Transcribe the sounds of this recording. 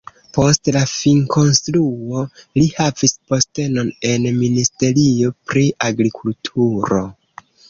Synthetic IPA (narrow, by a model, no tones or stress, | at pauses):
po̞stlafiŋkʰo̞nstɾuo̞lihavispo̞ste̞no̞ne̞nministe̞ɾio̞pɾiʔaɡɾikʰultʰuɾo̞